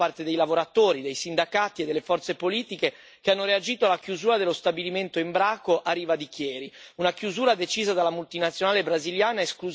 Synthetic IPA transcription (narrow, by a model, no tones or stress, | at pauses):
art̪ed̪ejlavoɾat̪oːɾid̪ejsind̪akaːt̪ied̪ːelːefɔrt̪sepoliːt̪ike | keanːoɾead͡ʒiːt̪oalːakjuzuːɾad̪elːost̪abiliment̪oimbɾaːkoʔarːiːvad̪ikjɛːɾiunakjuzuːɾad̪et͡ʃiːzad̪alːamult̪inat̪sːjonaːlebɾaziljaːnaesklu